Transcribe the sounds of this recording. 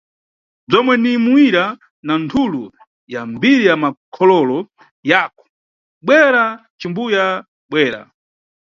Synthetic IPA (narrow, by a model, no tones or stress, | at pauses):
b͡ʐɔmwɛnimuiɾa | nantʰulu | jambiɾijamakʰɔlɔlɔ | jaːkɔ̥ | ɓwɛɾat͡ʃimbuja | ɓwɛːɾa̰